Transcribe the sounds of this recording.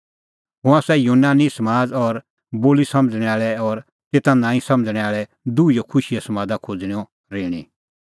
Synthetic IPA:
ɦʊ̃asɛjunaːnisɐmaːd͡zɔɾ | boːlisɐmd͡zɽ̃ɛaːɭɛɔːɾ | t̪eːt̪ãnãːĩsɐ̃md͡zɽ̃ɛaːɭɛ | d̪uijɔkʰʊʃijɛsɐmaːd̪akʰod͡z̃iɔ | ɾeːɽ̃ḭ

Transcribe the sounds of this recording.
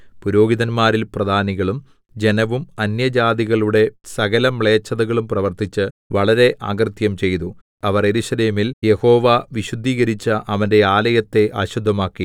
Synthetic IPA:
puɾo̞ːɡiðɐnmaːɾilprɐd̪ʱaːniɣɐɭum | d͡ʑe̞nɐʋumɐnjɐd͡ʑaːd̪iɣɐɭuɽe̞sɐɣɐlɐmɭe̞ːt͡ɕːɐðɐɣɐɭumprɐʋɐrt̪it͡ɕːɨ | ʋɐɭɐɾe̞ʔa̰ːɡrt̪jɐmt͡ɕe̞jt̪u | ɐʋɐre̞ɾuɕɐleːmilje̞ho̞ːʋaʋiɕud̪ʱːiːɣɐɾit͡ɕːɐʔɐʋɐnde̞aːlɐjɐt̪ːe̞ʔa̰ːɕud̪ʱːɐmaːkːi

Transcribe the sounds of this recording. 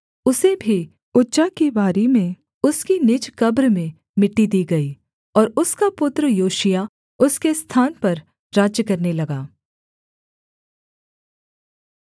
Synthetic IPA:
ʊsebʱi | ʊtːʃakibaːɾimẽ | ʊskinɪd͡ʒkɐbɾmẽ | mɪʈːid̪iːɡɐiː | ɔːɾʊskapʊt̪ɾəjoːʃija | ʊskest̪ʰaːnpɐɾ | ɾaːd͡ʒjəkɐɾnelɐɡaː

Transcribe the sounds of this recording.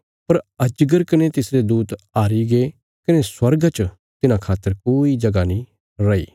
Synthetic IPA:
pɐɾɐd͡ʒɡəɾkɐnet̪ɪsɾed̪uːt̪aːɾiɡe | kɐneswɐɾɡt͡ʃ | t̪ɪnãkʰaːt̪ːəɾkoːid͡ʒɐɡanĩ | ɾɐḭː

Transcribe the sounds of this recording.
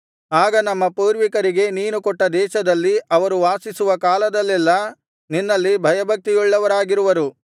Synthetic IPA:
aːɡɐnɐmːɐpuːɾʋikɐɾiɡe̞niːnukɔʈːɐd̪ɛːʃɐd̪ɐlːiʔɐʋɐɾuʋaːsisuʋɐkaːlɐd̪ɐlːɛlːɐ | ninːɐlːibʱɐjɐbʱɐk̚t̪ijuɭːɐʋɐɾaːɡiɾuʋɐɾu

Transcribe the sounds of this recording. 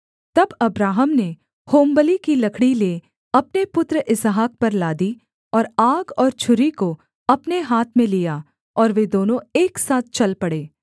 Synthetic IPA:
t̪ɐbɐbɾaːɦəmne | hoːmbəlikilɐkʰɽileː | ɐpnepʊt̪ɾəʔɪsɦaːk̚pɐɾlaːd̪i | ɔːɾaːɡɔːɾt͡ʃʰʊɾiko | ɐpneɦaːt̪ʰmẽlija | ɔːɾʋed̪oːnõeːksaːt̪̚ʰt͡ʃɐlpɐɽeː

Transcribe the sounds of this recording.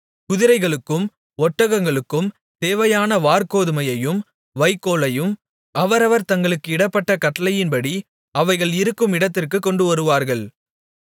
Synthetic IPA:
kʊðɪɾɐɪɣɐɭɯkːɯm | ɔʈːɐɣɐŋɡɐɭɯkːɯm | t̪eːʋɐjaːnɐʋaːɾkoːðɯmɐjɐjɯm | ʋɐɪkːoːɭɐjɯm | ɐʋɐɾɐʋɐɾt̪ɐŋɡɐɭɯkːɯɪɽɐpːɐʈːɐkɐʈːɐlɐjɪnpɐɽi | ɐʋɐɪɣɐɭɪɾɯkːɯmɪɽɐt̪ːɪrkɯkːɔɳɖɯʋɐɾɯʋaːɾɣɐɭ

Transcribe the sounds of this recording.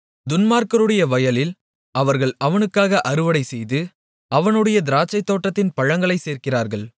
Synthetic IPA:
d̪ʊnmaːɾkɐɾɯɽɐjɐʋɐjɐlɪl | ɐʋɐɾɣɐɭɐʋɐnɯkːaːɣɐʔɐɾɯʋɐɽɐɪsɛjðɯ | ɐʋɐnɯɽɐjɐd̪ɪɾaːt͡ʃːɐɪt̪ːoːʈːɐt̪ːɪnpɐɻɐŋɡɐɭɐɪseːɾkɪraːɾɣɐɭ

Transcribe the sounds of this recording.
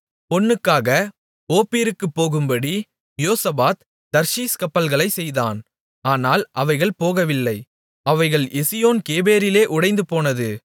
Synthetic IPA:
pɔnːɯkːaːɣɐ | oːpiːɾɯkːɯpːoːɣɯmbɐɽi | joːsɐbaːt̪ | d̪ɐɾʃiːskɐpːɐlɣɐɭɐɪsɛjðaːn | aːnaːlʔɐʋɐɪɣɐɭpoːɣɐʋɪlːɐɪ | ɐʋɐɪɣɐɭɛsɪjoːnkeːbeːɾɪleːʔʊɽɐɪnd̪ɯpoːnɐðɯ

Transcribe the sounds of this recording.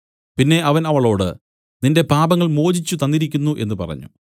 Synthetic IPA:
pinːe̞ɐʋɐnɐʋɐɭo̞ːɽɨ̰ | ninde̞paːbɐŋːɐɭmo̞ːd͡ʑit͡ɕːut̪ɐnd̪iɾikʲːunːuʔe̞nːɨpɐ̰rɐ̰ɲːṵ

